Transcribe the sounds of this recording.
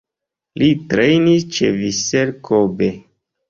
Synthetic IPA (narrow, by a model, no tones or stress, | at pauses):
litɾejnist͡ʃḛviseɾkʰobe